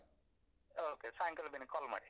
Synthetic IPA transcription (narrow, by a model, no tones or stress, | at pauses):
okesaŋkəlbinikʰɔlma̰ɽi